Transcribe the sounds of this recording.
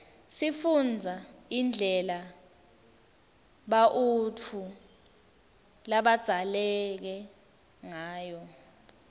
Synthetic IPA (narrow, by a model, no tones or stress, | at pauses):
sifund͡zʱaind͡ɮʱɛla | ɓaʔut͡fʰu | laɓad̥z̥ʱalɛk̬ɛ | ŋaːjɔ